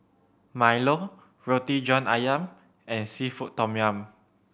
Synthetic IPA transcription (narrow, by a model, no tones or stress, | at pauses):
majlo | ɹotid͡ʒɔ̃na̰jãm | ɛ̃nsifuʔtːɔmiãm